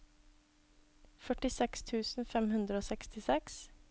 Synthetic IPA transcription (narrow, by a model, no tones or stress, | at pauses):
fœʈɪsɛkst̪ʰʉːsn̩fɛmhʉnd̪ɾəoːsɛkst̪ɪsɛks